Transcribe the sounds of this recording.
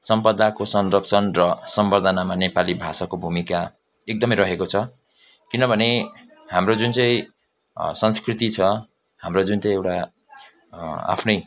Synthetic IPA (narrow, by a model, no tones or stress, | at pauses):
sʌmpʌd̪akosʌnrʌp̚t͡sʰʌnrʌsʌmbʌrd̪ʱanamanepalibʱasakobʱumika | ek̚d̪ʌmʌjɾʌɦekot͡sʰʌ | kinʌbʱʌne | hamrod͡zunt͡sʌĩ | sʌnskrit̪it͡sʰʌ | hamrod͡zunt͡sʌ̃j̃ewʈa | a̰pʰnʌj